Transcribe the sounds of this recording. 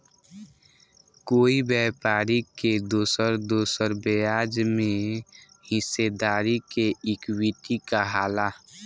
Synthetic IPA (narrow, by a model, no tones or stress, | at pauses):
koːibɛːpaːɾiked̪oːsəɾd̪oːsəɾbeaːd͡ʒmẽ | hɪsːed̪aːɾikeɪkwiʈikaɦaːla